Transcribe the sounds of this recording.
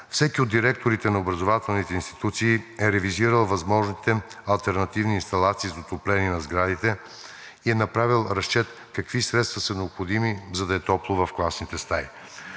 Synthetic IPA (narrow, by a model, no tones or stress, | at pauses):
fsɛkiod̪ːiɾɛk̚t̪oɾit̪ɛnɐobɾɐzovat̪ɛlˠnit̪ɛinst̪i̥t̪ut̪siːɛɾɛviziɾəlˠvɐzmɔʒnit̪ɛɐlˠt̪ɛɾnɐt̪ivniːnst̪ɐlˠat̪siːzot̪oplɛniɛnɐzɡɾad̪it̪ɛ | iɛnɐpɾavilˠɾɐst͡ʃɛt̪ | kɐkvisɾɛt̪st̪vɐsɐnɛopxod̪imizɐd̪ɐɛt̪ɔplˠovɐfklˠasnit̪ɛst̪ai